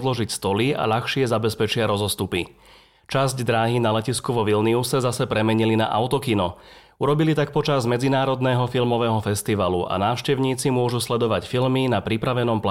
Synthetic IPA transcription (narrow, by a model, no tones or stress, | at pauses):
zlɔʒicst̪ɔlia̰ʎaxʃɪɛzabɛspɛt͡ʃɪaɾɔzɔst̪upi | t͡ʃazɟd̪ɾaːɦinalɛciskuʋɔʋilniusɛzasɛpɾɛmɛɲilina̰ʔa̰ʊt̪ɔkinɔ | uɾɔbilit̪ak̚pɔt͡ʃazmɛd͡zinaːɾɔd̪nɛɦɔfilmɔʋɛːɦɔfɛst̪iʋaluʔa̰naːʊʃcɛʊɲiːt͡simʊɔʒuslɛd̪ɔʋacfilminapɾipɾaʋɛnɔmpla